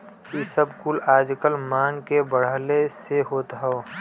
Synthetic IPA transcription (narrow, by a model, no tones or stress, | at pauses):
kisəbkʊlaːd͡ʒkəlmaːŋkebəɽ̤əleseɦoːt̪ɦɛo